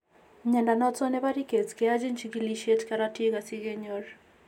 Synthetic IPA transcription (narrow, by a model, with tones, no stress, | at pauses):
ɲɛ˨nda˨nɔ˦t͡sɔ˦nɛ˦ba˦ɾi˦ke˨tkɛ˨a˦d͡ʒi˦nt͡ʃiɡiliʃe˦tkaɾati˦ɡa˨si˦ɡe˦ɲɔɾ